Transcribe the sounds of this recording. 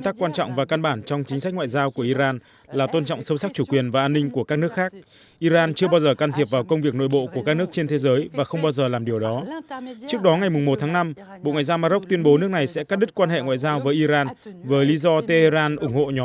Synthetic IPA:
ŋ͡mt̪aː˦˥kːwaː˧nt͡ɕɔ̰˧˨wŋ͡mvaː˨˩ka˧nɓaː˧˩nt͡ɕɔ˧wŋ͡mt͡ɕï˨˦ŋsa˦˥k̟̚ŋwa̰ː˧˨jzaː˧wku˧˩əʔi˧zaː˧n | laː˨˩t̪o˧nt͡ɕɔ̰˧˨wŋ͡msə˨˦wsa˦˥k̚t͡ɕu˧˩kwi˨˩ənvaː˨˩ʔaː˧nːï˧ŋ̟ku˧˩əkaː˦˥k̚nɨ˦˥əkxaː˦˥k̚ | ʔi˧zaː˧nt͡ɕɨ˧əɓaː˧wzəː˨˩kaː˨˧˩t̪ʰi˨˩əp̚vaː˨˩wkə˧wŋ͡mvi˨˩ək̚no̰˧˨jɓo̰˧˨ku˧˩əkaː˦˥k̚nɨ˦˥ək̚t͡ɕe˧nt̪ʰe˨˦zəː˨˦jvaː˨˩xə˧wŋ͡mɓaː˧wzəː˨˩laː˨˩mɗi˨˩əwɗɔ˨˦t͡ɕɨ˦˥ək̚ɗɔ˨˦ŋa˨˩jmʊ˨˩ŋ͡mmo˨˩t̚t̪ʰaː˨˦ŋna˧m | ɓo̰˧˨ŋw̰aː˧˨zaː˧wmaː˧ɗə˦˥k͡p̚t̪wi˧ənɓo˨˦nɨ˦˥ək̚na˨˩jsɛ̰˧˥kaː˦˥k̚ɗi˦˥t̚kwa˧nɦḛ˧˨ŋwa̰ː˧˨jzaː˧wvəː˨˦jʔi˧zaː˧nvəː˨˦jli˨˦zɔ˧t̪e˧he˧zaː˧nʔʊ˧˩ŋ͡mho̰˧˨ɲɔ˨˦

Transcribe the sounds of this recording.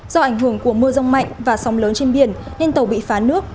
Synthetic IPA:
z̥ɔ˧ʔa˧˩jŋɦɨ˧˩əŋku˧˩əmɨ˧əza˧wŋ͡mma̰˧˨jŋ̟vaː˨˩sɔ˨˦wŋ͡mləː˨˦nt͡ɕe˧nɓi˨˩ən | ne˧nt̪ə˨˩wɓḭ˧˨faː˨˦nɨ˦˥ək̚

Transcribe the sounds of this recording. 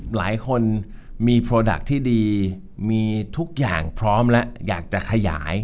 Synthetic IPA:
la̰ː˩˦jkʰo˧nmiː˧pʰɾoː˧da̰˨˩k̚t̪ʰiː˥˩diː˧ | miː˧t̪ʰu˦˥k̚ja̰ː˨˩ŋpʰɾɔː˦˥mlɛ˦˥ʔja̰ː˨˩k̚t͡ɕa˨˩kʰa˧ja̰ː˩˦j

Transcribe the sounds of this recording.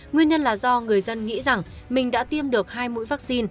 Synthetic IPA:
ŋwi˧ənɲə˧nlaː˨˩zɔ˧ŋɨ˨˩əjzə˧nŋḭ˧˥za˨˩ŋ | mï˨˩ŋ̟ɗa̰ː˧˥t̪i˧əmɗɨ˨˩ək̚haː˧jmṵ˧˥jvaː˦˥k̚si˧n

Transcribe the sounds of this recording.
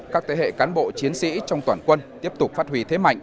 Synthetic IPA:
kaː˦˥k̚t̪ʰe˨˦hḛ˧˨kaː˨˦nɓo̰˧˨t͡ɕi˨˦ənsḭ˧˥t͡ɕɔ˧wŋ͡mt̪waː˧˩nkwə˧nt̪i˦˥əp̚t̪ʊ˨˩k͡p̚faː˦˥t̚hwi˨˦t̪ʰe˨˦ma̰˧˨jŋ

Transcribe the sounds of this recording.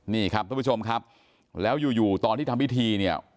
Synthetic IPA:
niː˥˩kʰa˦˥p̚kʰa˥˩pu˥t͡ɕo˧mkʰa˦˥p̚ | lɛː˦˥wjuː˨˩juː˨˩t̪ɔː˧nt̪ʰiː˥˩t̪ʰa˧mwi˦˥t̪ʰiː˧ni˥˩ɐ

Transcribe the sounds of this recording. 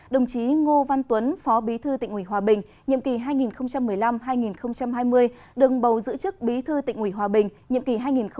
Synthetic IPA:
ɗə˨˩wŋ͡mt͡ɕi˨˦ŋo˧va˧nt̪wə˨˦nfɔ˨˦ɓi˨˦t̪ʰɨ˧t̪ḭ˧˨ŋ̟ʔwi˧˩ɦwaː˨˩ɓï˨˩ŋ̟ | ɲḭ˧˨əmki˨˩ɦaː˧jŋi˨˩nxə˧wŋ͡mt͡ɕa˧mːɨ˨˩əjla˧mɦaː˧jŋi˨˩nxə˧wŋ͡mt͡ɕa˧mɦaː˧jmɨ˧əj | ɗɨ˨˩əŋɓə˨˩wzɨ̰˧˥t͡ɕɨ˦˥k̚ɓi˨˦t̪ʰɨ˧t̪ḭ˧˨ŋ̟ʔwi˧˩ɦwaː˨˩ɓï˨˩ŋ̟ɲḭ˧˨əmki˨˩ɦaː˧jŋi˨˩nx

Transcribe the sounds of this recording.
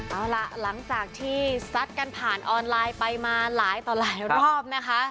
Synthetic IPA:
ʔaː˧˩wla˨˩ʔla˩˦ŋt͡ɕaː˨˩k̚t̪ʰiː˥˩sa˦˥t̪̚ka˧npʰaː˨˩nʔɔː˧nlaː˧jpa˧jmaː˧laː˩˦jt̪ɔː˨˩laː˨˩jɾɔː˥˩p̚na˦˥kʰa˦˥ʔ

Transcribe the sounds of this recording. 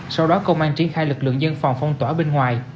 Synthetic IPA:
sa˧wɗɔ˨˦kə˧wŋ͡mʔaː˧ŋt͡ɕi˧˩ənxaː˧jlɨ˨˩k̚lɨ̰˧˨əŋzə˧nfa˨˩wŋ͡mfɔ˧wŋ͡mt̪waː˧˩ɓe˧nŋwaː˨˩j

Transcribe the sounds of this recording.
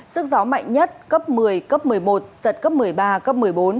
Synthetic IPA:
sɨ˦˥k̚za˨˦wma̰˧˨jŋ̟ɲə˦˥t̚kə˦˥p̚mɨ˨˩əjkə˦˥p̚mɨ˨˩əjmo˨˩t̚z̥ə˨˩t̚kə˦˥p̚mɨ˨˩əjɓaː˧kə˦˥p̚mɨ˨˩əjɓo˨˦n

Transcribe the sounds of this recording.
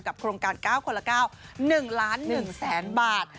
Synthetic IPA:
nka˨˩p̚kʰɾoː˧ŋkaː˧nkaː˥˩wkʰo˧la˧˩kaː˥˩wnɯ˨˩ŋlaː˦˥nːɯ˨˩ŋsɛː˩˦nbaː˨˩t̪̚

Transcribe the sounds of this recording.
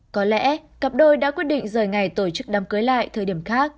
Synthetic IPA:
kɔ˨˦lɛ̰˧˥ka˨˩p̚ɗo˧jɗa̰ː˧˥kwi˦˥ət̚ɗḭ˧˨ŋ̟zəː˨˩jŋa˨˩jt̪o˧˩t͡ɕɨ˦˥k̚ɗaː˨˦mkəː˨˦jla̰ː˧˨jt̪ʰəː˨˩jɗi˧˩əmxaː˦˥k̚

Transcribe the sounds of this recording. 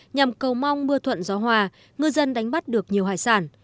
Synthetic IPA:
ɲa˨˩mkə˨˩wma˧wŋ͡mmɨ˧ət̪ʰwə̰˧˨nzɔ˨˦ɦwaː˨˩ | ŋɨ˧jzə˧nɗa˨˦jŋ̟ɓa˦˥t̚ɗɨ˨˩ək̚ɲi˨˩əwɦa̰ː˧˨jsaː˧˩n

